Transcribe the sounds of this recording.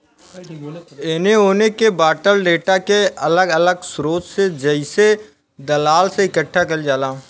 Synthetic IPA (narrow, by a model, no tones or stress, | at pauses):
ɪneɦoːnekebaːʈəlɖeːʈakeɐləɡələɡsɾoːt͡ʃsed͡ʒəɪse | d̪əlaːlseɪkəʈʰːakəld͡ʒaːlãː